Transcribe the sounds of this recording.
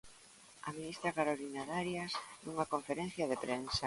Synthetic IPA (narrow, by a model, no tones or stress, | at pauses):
a̰minist̪ɾakaɾolinaðaɾjasɛuŋakoɱfeɾen̟θjaðepɾensa